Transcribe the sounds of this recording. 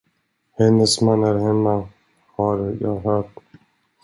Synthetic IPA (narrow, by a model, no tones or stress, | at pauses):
hɛnːəsmanæɾɦɛmːa | haɾjɑ̰ːɦœːʈ